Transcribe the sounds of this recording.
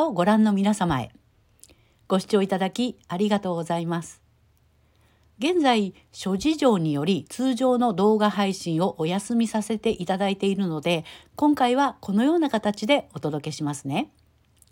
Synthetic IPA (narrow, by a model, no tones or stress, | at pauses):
oɡo̞ɾãnːo̞mʲinasamae̞̰ | ɡ̥o̞ɕi̥t͡ɕo̞ːit̪ad̪akʲiaɾʲiɡat̪o̞ːɡo̞zaimasɨ̥ | ɡẽ̞nd͡zai | ɕo̞ʑiʑo̞ːɲ̟ijo̞ɾʲit͡sɨːʑo̞ːno̞d̪o̞ːɡaɦaiɕĩɰ̃o̞ʔojasɨmʲisase̞t̪e̞ʔit̪ad̪ait̪e̞iɾɯ̟no̞d̪e̞kõ̞ŋkaiβ̞ako̞no̞jo̞ːnakat̪at͡ɕid̪e̞o̞t̪o̞d̪o̞ke̞ɕimasɨne̞